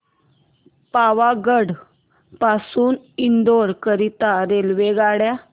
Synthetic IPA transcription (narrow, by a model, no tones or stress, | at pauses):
paʋaɡəɽ | pasuːn | ind̪oɾkəɾit̪aɾelʋeɡaɽja